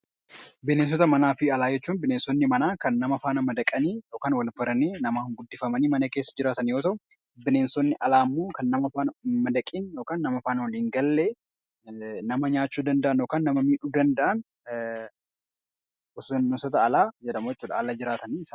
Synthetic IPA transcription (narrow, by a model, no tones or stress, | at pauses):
bɪneːns̬ɔt̪ɐmɐnaːfɪɐlaːd͡ʒɛt͡ʃːuːnbɪneːnsɔnːɪmɐnaːkɐnːɐmɐfaːnɐmɐd̪ɐkʼɐniːjo̞ːkaːnwɐlfɐɾɐniːnɐmaːŋɡʊd̪ːɪfɐmɐniːmɐnɐke̞ːsːɐd͡ʒɪɾaːt̪ɐnjo̞ːt̪ɐʔʊ | bɪneːnsɔnːɪʔɐlaːmːoːkɐnːɐmɐfaːnmɐd̪ɐkʼiːnjoːkaːnːɐmɐfaːnwɐliːŋɡɐlːeː | nɐmɐɲaːt͡ʃːuːd̪ɐnd̪ɐʔɐnjoːkaːnːɐmɐmiːᶑuːd̪ɐnd̪ɐʔɐn | ʊsʊsɔt̪ɐːlaːd͡ʒɛᶑɐmːɛt͡ʃːuːᶑɐ̰ːlad͡ʒɪɾaːt̪ɐniɪsa